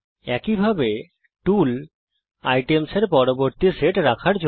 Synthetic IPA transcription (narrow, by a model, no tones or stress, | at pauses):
ɛkibʱabe | ʈul | ajʈemseɾpɔɾoboɾt̪iseʈɾakʰaɾd͡ʑ